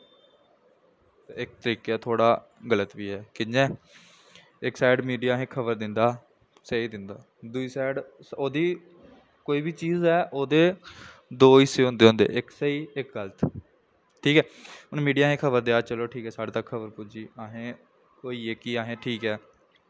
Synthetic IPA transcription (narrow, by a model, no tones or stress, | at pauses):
t̪ːɪk̚t̪əɾiːkaːt̪ʰoːɽaː | ɡələt̪ʋiːɦɛːkɪd͡ʒɛ̃ː | ɪksaːɪɖmiːɖijaːɦẽːkʰəbəɾd̪ɪnd̪aː | seiːd̪ɪnd̪aː | d̪ʊiːsɛːɖsoːd̪iː | koːiːbiːt͡ʃiːzɦɛːʔoːd̪eːd̪oːiseːɦõːnd̪eːɦõnd̪ḛːʔɪksəiːɪkɡələt̪ | ʈʰiːkɛːʊnmiːɖijaːɦẽːkʰəbəɾd̪eaːt͡ʃəloːʈʰiːkɛːsaːɽt̪əkʰːəbəɾpʊd͡ʒiːaːɦẽː | koːiːeːkiːaːɦẽːʈʰiːkɛː